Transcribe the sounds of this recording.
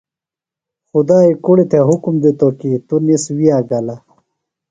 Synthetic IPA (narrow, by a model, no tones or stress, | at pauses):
xud̪aːikuɽit̪ʰeɦukumd̪it̪okit̪uniswijaːɡɐla